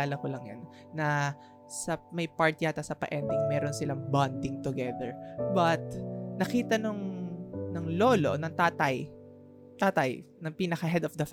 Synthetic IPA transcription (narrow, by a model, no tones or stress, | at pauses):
aːlɐkolɐŋja̰n | nɐ | sɐmɐjpaɹt̪jat̪ɐsɐpɐ̰ʔɛnd̪ɪŋmɛːɾonsɪlaŋband̪ɪŋt̪ʊɡɛðɛɹbɐt̪̚nɐkiːt̪ɐnʊŋnɐŋloːlo̰nɐŋt̪aːt̪ɐj | t̪aːt̪ɐjnɐŋpiːnɐkɐɦɛd̪ɔfd̪ɐf